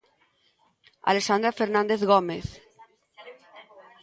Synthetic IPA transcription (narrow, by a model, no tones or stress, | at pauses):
a̰lesand̪ɾafeɾnãnd̪eθɣomeθ